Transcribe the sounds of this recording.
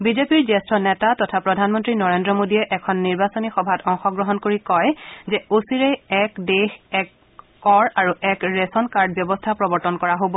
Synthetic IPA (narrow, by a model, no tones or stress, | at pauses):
bizepiɹzɛstɹɔnɛtatɔtʰapɹɔdʱanmɔntɹinɔɹendɹɔmodiɛʔɛkʰɔnːiɹbasonixɔbʱatɔŋxɔɡɹɔɦɔnkoɹikɔjzɛosiɹɛɛkdexɛkː | ɔɹaɹuʔɛkɹesɔnkaɹd̚bjɔbɔstʰapɹɔbɔɹtɔnkɔɹaɦobɔ